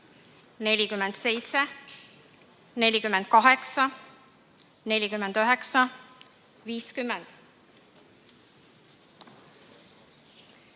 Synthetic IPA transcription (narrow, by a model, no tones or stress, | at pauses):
ne̞lʲikymːend̪̥se̞jt̪se | ne̞lʲikymːɛnd̪̥̚kɑɦeksɑ | ne̞lʲikymend̪̥øɦeksɑ | viːskymːend̪̥